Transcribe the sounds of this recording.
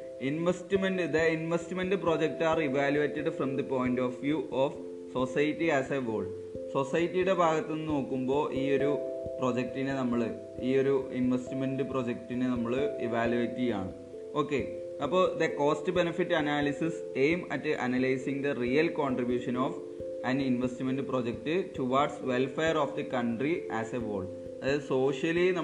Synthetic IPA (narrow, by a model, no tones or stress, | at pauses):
inʋestmenɖɨd̪ɐinʋestmendɨproːd͡ʑek̚taːriʋaːljuʋeːtːɐɖfrɐmd̪ɐpo̞ːjndoːfʋjuːʔof | so̞sɐjtːiæːseʋoːɭ | so̞sɐjɐtːijuɽe̞bʱaːɡɐt̪ːenːɨno̞ːkːumbo̞ːʔiːo̞ɾuprod͡ʑek̚tinenɐmːɐɭɨ | iːo̞ɾuinʋestmendɨpro̞d͡ʑek̚tinenɐmːɐɭɨiʋaːljuetːija̰ːɳɨ | o̞ːkːe̞ | ɐpːoːɭd̪eko̞ːstɨbenɐfitːɐnaːlisis | ejmɐtːɨʔɐnɐlɐjsiŋd̪ɐrijɐlkoːɳɖribjuːʂɐnoːf | ɐninʋestimendɨpro̞ːd͡ʑek̚tɨtuʋaːɖsʋelfeːɐroːfd̪ɐkɐɳɖriæːseʋo̰ːɭɖ | ɐðɨso̞ːʂjɐlinɐm